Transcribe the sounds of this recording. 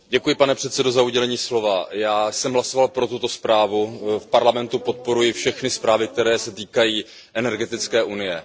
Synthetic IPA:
ɟɛkujɪpanɛpr̥ɛt̪t͡sɛdo̞zauɟɛlɛɲiːslo̞vajaːsɛmɦlaso̞valpɾo̞t̪ut̪o̞spɾaːvufpaɾlamɛnt̪upo̞t̪̚po̞ɾujɪfʃɛxnɪspɾaːvɪk̚t̪ɛɾɛːsɛt̪iːkajiː | ʔɛnɛɾɡɛt̪ɪt͡skɛːʔunɪjɛ

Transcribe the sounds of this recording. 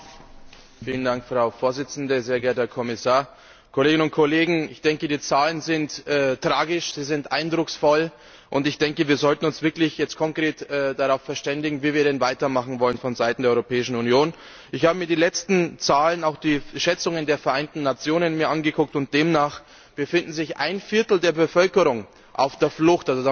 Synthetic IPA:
fiːləndaŋkfʁ̥aʊfoːɐzɪt͡sn̩dəzeːɐɡɛɐthɛːɐkʰɔmɪsaːɐ | kʰoleːɡɪnʊnt̚kʰoleːɡŋ̩ɪçd̥ɛŋkədiːt͡saːlənzɪntʔɛːtʁ̥aːɡɪʃz̥iːzɪntʔaɪndʁʊksfɔl | ʔʊntɪçd̥ɛŋkəviːɐzɔltn̩ʊnsv̥ɪɐklɪçjɛt͡stkʰɔŋkʁ̥eːtʔɛːd̥aʁaʊfɛɐʃtɛndɪɡŋ̩viːviːɐɾɛnvaɪtɐmaχn̩vɔlənfɔnzaɪtn̩deɐɔʁopʰɛːɪʃn̩unjoːn | ʔɪçhaːbəmiːɐdiːlɛt͡stn̩t͡saːlənaʊxd̥iːʃɛt͡sʊŋəndeːɐfɛɐʔaɪntn̩ːat͡sjoːnənmiːɐʔanɡəkʰʊk̚tʊnt̚d̥eːmnaːχ | b̥əfɪndn̩zɪçʔa̰ɪnfɪɐtl̩deːɐbəfœlkəʁʊŋ | ʔa̰ʊfd̥eːɐflʊxtʔalzoda

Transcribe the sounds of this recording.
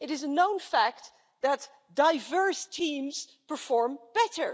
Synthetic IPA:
ɨɾɪzənõʊ̃nfæk̚t̪ | ðət | d̥aɪvɜ˞stʰĩːmz̥ | pə˞fɔɹmb̥ɛtə˞

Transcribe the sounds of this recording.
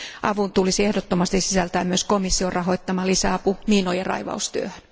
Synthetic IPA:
ʔɑ̰ʋunt̪ulisiehdot̪ːomɑst̪isisælt̪æːmyøsko̞misːiorʔɑɦo̞jt̪ːɑmɑlisæɑpumiːnojerɑ̰jʋɑ̰ust̪yø̰høn

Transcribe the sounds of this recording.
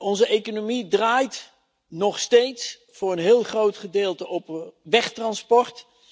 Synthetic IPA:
ɔnzəʔejkonomidraːjt | nɔχstejts | fʊːrənɦɪːlˠχrowtχədɪːlˠtəʔɔpʋɛχtrɑnspɔɹt

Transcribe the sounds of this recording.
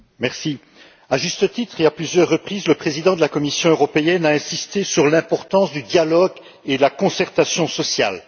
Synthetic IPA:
mɛʁsi | aʒyst̪ət̪it̪χeaplyzjœʁːəpχiːzləpχezid̪ɑ̃d̪əlakɔmisjɔ̃øʁɔpeɛnaɛ̃sist̪esyʁlɛ̃pɔʁt̪ɑ̃sd̪yd̪jalɔɡ | ed̪əlakɔ̃sɛʁt̪asjɔ̃sɔsja̰l

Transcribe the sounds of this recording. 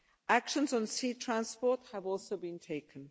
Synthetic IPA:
akʃə̃nzn̩siːtʰɹ̥ãnspɔˑthəvɔˑlˠsoʊbĩntʰeɪkʰə̃n

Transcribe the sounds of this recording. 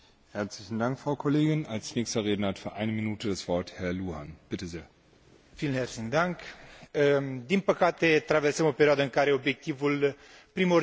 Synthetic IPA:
hɛɐt͡slɪçn̩daŋkfʁ̥aʊkʰɔleːɡɪnalsnɛːçstɐʁeːdnəɐatfyːɐʔaɪnəminuːtʰədasv̥ɔɐthɛɐluːɦanb̥ɪtəzeːɐ | fiːlnhert̪sind̪aŋkəd̪inpəkat̪et̪ɾaversəmo̞peɾioad̪əɨŋkaɾe̞o̞bjek̚t̪ivul | pɾimo

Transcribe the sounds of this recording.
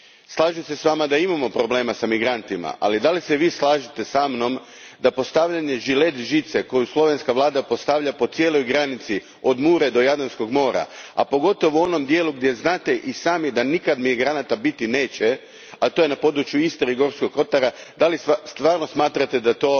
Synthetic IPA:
slˠaːʒusesʋaːmad̪aimamo̞pɾo̞ble̞ːmasamiɡɾant̪ima̰ʔa̰lid̪aliseʋiːslˠaːʒit̪esamno̞m | d̪apo̞st̪aʋʎaɲe̞ʒile̞t̪ʒit̪seko̞juslˠo̞ʋe̞nskaʋlˠaːd̪apo̞st̪aʋʎapo̞t̪sje̞ːlo̞jɡɾanit̪si | o̞d̪muːɾe̞d̪o̞jad̪onsko̞ɡmo̞ːɾa̰a̰po̞ɡo̞t̪o̞ʋuo̞no̞md̪je̞ːluɡd̪je̞znaːt̪e̞ʔisaːmid̪anikad̪miɡɾanat̪abit̪ine̞ːt͡ɕe | at̪ojenapo̞d̪ɾut͡ʃjuist̪eiɡo̞ɾskoɡo̞t̪aɾad̪alist̪ʋaːɾno̞smaːt̪ɾat̪ed̪at̪o̞ː

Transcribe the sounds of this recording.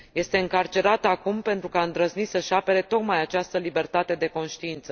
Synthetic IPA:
je̞st̪e̞ɨŋkart͡ʃe̞ɾat̪akumpe̞nt̪ɾukaɨnd̪ɾəznit̪səʃape̞ɾe̞t̪o̞kmajat͡ʃast̪əlibe̞rt̪at̪e̞d̪e̞ko̞nʃt̪iint̪sə

